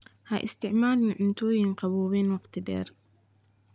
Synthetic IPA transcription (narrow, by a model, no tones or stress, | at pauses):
haʔɪ̰st̪ɪʕmaːlniʕʊnt̪uːjɪnqɑbuːwiːnwɪqt̪d̪ḛːɾ